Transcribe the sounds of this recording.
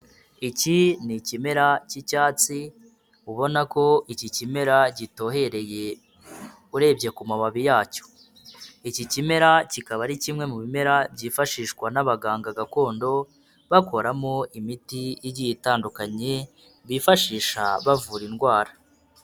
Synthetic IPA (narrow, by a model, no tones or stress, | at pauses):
icinicime̞ɾacicaːt͡si | uβo̞nako̞ʔicicime̞ɾaɟito̞ːɦe̞ɾe̞je̞ | uɾe̞ːbɟe̞kumaβaβijaːco̥ | icicime̞ɾacikaβaɾicimŋe̞muβime̞ɾabɟiːfaʃiːʃkwanaβaɡaːŋɡaɡako̞ːndo̞ | βako̞ɾamo̞imitijiɟijitaːndukaɲe | βiːfaʃiːʃa̰βavuːɾinɡwaːɾa